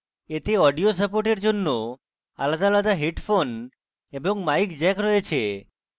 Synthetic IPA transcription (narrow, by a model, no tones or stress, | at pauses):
et̪eɔɖijosəpoɾʈeɾd͡ʒonːo | a̰lad̪alad̪aɦeʈfʰon | eboŋmaikd͡ʒɛkɾɔet͡ɕʰe